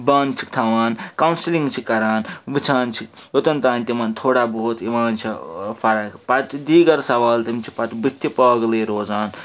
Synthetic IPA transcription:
baːnt͡ʃʰi̥kt̪ʰaʋaːnkɐwnsiliŋɡt͡ʃʰikɐɾaːnʋit͡ʃʰaːnt͡ʃʰijot̪ɐnt̪aːnʲt̪imaːnt̪ʰoːɽaːboːt̪iʋaːnt͡ʃʰipʰɐɾɐkpɐt̪d̪iːɡɐɾsɐʋaːlt̪imt͡ʃʰi̥pɐt̪bit̪ʰːipɐːɡleːɾoːzaːn

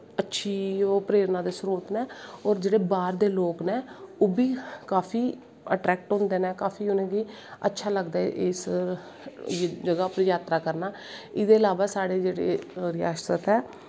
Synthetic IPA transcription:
ətːʃʰiːopɾeːɾnãːd̪eːsɾuːɾt̪nɛːɔːɾd͡ʒeːɽeːbaːɾd̪eːloːknɛːoːbiːkaːpʰiː | əʈɾɛːk̚ʈɦʊ̃nd̪eːnɛːkaːfʰiːʊnẽːɡiː | ə̰tːʃʰaːləɡd̪aːʔɪs | d͡ʒəɡaːpɾjaːt̪ɾaːkəɾnaː | ɪd̪eːəlaːʋaːsaːɽeːd͡ʒeːɽḛːɾɪja̰ːʃt̪ət̪ɛː

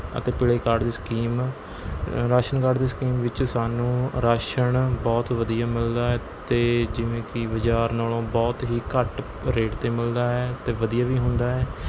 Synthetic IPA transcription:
ə̰t̪eːpɪɽeːkaːɾɖd̪eːskiːm | ɾaːʃənkaːɾɖd̪eːskiːmʋɪt͡ʃsaːnũːɾaːʃəɳbɔːt̪ʋəd̪ijaːmɪld̪aːɛː | t̪eːd͡ʒɪʋẽːkɪʋəd͡ʒaːɾnaːlõːbɔːt̪ɦiːkəʈ | ɾeːʈt̪eːmɪld̪aːɛːt̪eːʋəd̪ijaːʋiːɦʊnd̪aːɦɛː

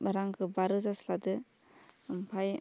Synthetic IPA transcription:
baɾaŋkʰɯbaɾɯzasladɯ | mpʰaj

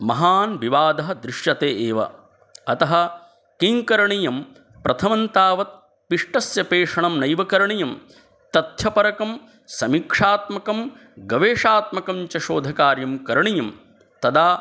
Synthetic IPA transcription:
mɐɦaːnʋiʋaːd̪ɐɦɐd̪ɾɪʂjɐt̪eːʔeːʋɐ̰ | ɐt̪ɐɦɐ̆ | kiŋkɐɾɐɳijɐm | pɾʔɐt̪ʰɐmɐnt̪aːʋɐt̪̚ | piʂʈɐsjɐpeːʂɐɳɐmnɐjʋɐkɐɾɐɳijɐm | t̪ɐt̪jɐpɐɾɐkɐm | sɐmikʂaːt̪mɐkɐm | ɡɐʋeːʂaːt̪mɐkɐmt͡ʃɐʃoːd̪ʱɐkaːɾjɐmkɐɾɐɳijɐm | t̪ɐd̪aː

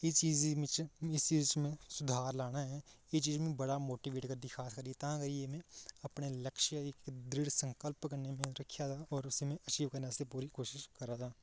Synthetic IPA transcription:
et͡ʃiːz | ɪst͡ʃiːzt͡ʃmẽsʊd̪ʱaːɾlaːnaɦɛːjet͡ʃiːzmẽbəɽamoːʈiʋeːʈkəɾd̪ikʰaːskəɾiet̪ãɡəɾijemẽɐpneləkʃjaɪkd̪ɾɪɽsə̃ŋkəlpkəɾnemẽɾɐkʰːjat̪ʰaːɔːɾʊsimẽɐt͡ʃiːʋkəɾnasepuːɾikoːʃɪʃkɐɾat̪ʰaː

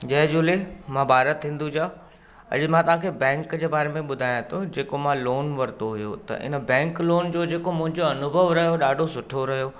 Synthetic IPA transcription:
d͡ʑɐɦd͡ʑʊlemãːbʱaːɾət̪ʰːĩːn̆d̪ud͡ʑaː | ɐ̰ʄmãt̪ɐʋ̤ãːkʰebɛ̃ːŋkd͡ʑeːbaːɾemẽɓʊd̪ʱaːjãt̪ʰod͡ʑeːkomãloːnʋɐɾt̪oɦʊjo̰t̪ɐ̰ʔɪ̰nəbɛ̃ːŋkloːnd͡ʑoːd͡ʑeːkomʊ̃ɦɪ̃ɲd͡ʑoɐnʊbʱəʋɾɐɦijoɗaːɖʱosʊʈʰoɾɐɦijoː

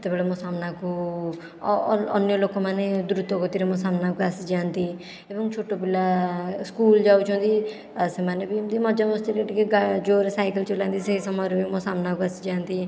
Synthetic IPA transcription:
t̪ebeːlemosaːmnaku | ɔ̰njoloːkõmaːned̪ʊɾʊt̪okot̪iɾemõsaːmnaːkuəsid͡ʒaːnd̪iː | eːbə̃ŋɡt͡ʃʰoːʈobɪlːaːskuːld͡ʒaːut͡ʃʰõːnd̪iː | semaːnebimd̪iːmɔd͡ʒamõst̪iɾeʈkeɡad͡ʒoːɾsaːɪkəlt͡ʃolãːnd̪iːsesəmaːɾbimosaːmnaːkuəsid͡ʒaːnd̪iː

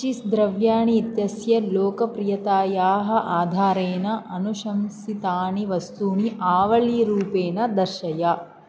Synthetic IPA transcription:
t͡ʃisd̪ɾɐʋjaːɳiːt̪jɐsjɐloːkɐpɾijɐt̪aːjaːɦɐ̆ʔaːd̪ʱaːɾeːnɐʔɐnuʃɐmsit̪aːɳiʋɐst̪uːniʔaːʋɐɭiɾuːpeːnɐd̪ɐɾʃɐjɐ

